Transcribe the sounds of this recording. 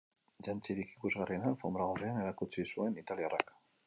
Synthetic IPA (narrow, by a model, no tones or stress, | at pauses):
ʝant͡siɾiki̥kuzɣarienanfombɾaɣ̞oriane̞ɾakut͡sisue̞nit̪aliara̰k